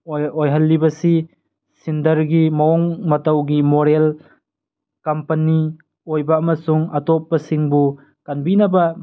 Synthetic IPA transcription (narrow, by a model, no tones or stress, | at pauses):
ojɦɐlːibɐsi | sindɐɾɡimaɔŋmɐtawɡimoɾel | kampɐni | ojbaːmɐsuŋatɔp̚ːɐsiŋbu | kanbinabɐ